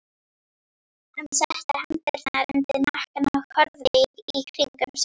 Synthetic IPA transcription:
hanːsɛht̪ahamt̪ɪɾ̥θanaɾʏnt̪ɪnahkanakʰɔɾðɪjɾikʰɾiŋkʏms

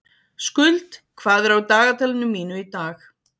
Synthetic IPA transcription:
skʏlt̪kʰv̥aːðɛɾawt̪aːɣat̪ʰɛlɪnʏmːiːnʏit̪aːx

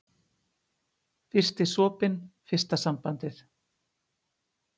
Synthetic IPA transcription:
fɪr̥st̪ɪsɔːpɪnfɪr̥st̪asampant̪ɪθ

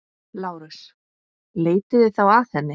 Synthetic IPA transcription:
laːwɾʏs | leːjt̪ɪðɪθawaθɛnːɪ

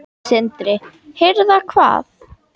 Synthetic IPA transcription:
sɪnt̪ɾɪ | hɪɾðakʰva̰ːθ

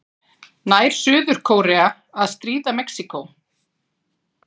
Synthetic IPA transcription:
naːjɾ̥sʏːðʏɾ̥kʰoːwɾɛa | aðst̪ɾiːðamɛksikow

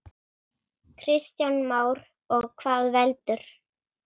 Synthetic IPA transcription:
kʰɾɪst̪janmaːwɾ | ɔɣkʰvaːðvɛlt̪ʏɾ̥

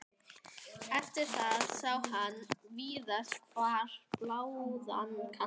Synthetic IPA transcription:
ɛft̪ɪɾ̥θaðsawhanviːðaskʰvaːɾ̥plaːwðankʰa

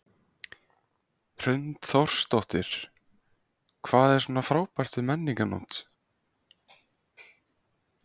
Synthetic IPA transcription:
r̥ʏnt̪θɔr̥st̪ɔht̪ɪɾ̥ | kʰvaːðɛɾ̥sɔːnaθɾaːwpar̥t̪vɪðmɛnːiŋkanɔ̰ːt̪

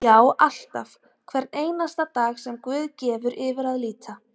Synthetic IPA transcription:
jaːwʔal̥t̪af | kʰvɛɾneːjnast̪at̪aːxsɛmkvʏːðcɛːvʏɾʔɪːvɪɾaðliːt̪ʰa

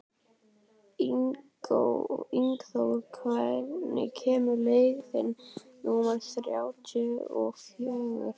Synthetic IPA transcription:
iŋko̰wiŋkθowɣʏɾkʰvajɾnɪ̰cʰɛːmʏleːjɣθɛ̰nːuːnasθɾja̰wt͡ʃʏɔ̰ɣfjœːɣʏ̰ɾ̥

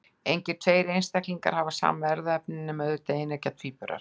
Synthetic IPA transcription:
ejɲcɪ̥t̪ʰveːjɾɪejnst̪ɛhkliŋka̰ɾ̥havasa̰ːmɛɾðaɛp̚nɪnːɪmœðʏɪt̪eɪnːɛcat̪ʰviːpœɾa̰ɾ̥

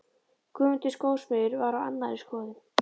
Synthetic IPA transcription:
kʰʏːmʏnt̪ɪskoːwsmɛðʏɾvaɾawa̰nːaɾɪskɔːðɪm

